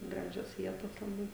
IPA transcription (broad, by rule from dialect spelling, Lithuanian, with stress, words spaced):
ˈɡrɑːʒʲoːs ˈʋʲiɛtoːs lˠɐˈbɐɪ